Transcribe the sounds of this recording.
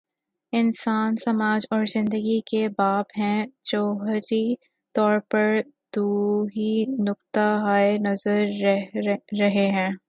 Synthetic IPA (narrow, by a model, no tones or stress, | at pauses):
ɪnsaːnsɐmaːd͡ʒɔːɾzɪ̃nd̪əɡikebaːbɦɛ̃t͡ʃɔːɦɾi | t̪ɔːɾpɐɾd̪̥uːɦinʊkt̪aɦaːenɐzəɾː | ɐɦeɦɛ̃ː